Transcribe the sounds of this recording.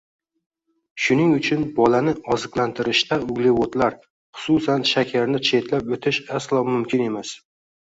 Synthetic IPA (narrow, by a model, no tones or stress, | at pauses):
ʃʊnɪŋʊt͡ʃʰʊnbɒlanɪɒzɨqlant̪ʰɪɾɪʃt̪aʊɡlɪwot̪laɾ | χʊ̥susanʃakʲʰaɾnɪt͡ʃʰe̞t̪ʰlapɵt̪ʰɪʃaslˠɒmʊmkʲʰɪne̞mas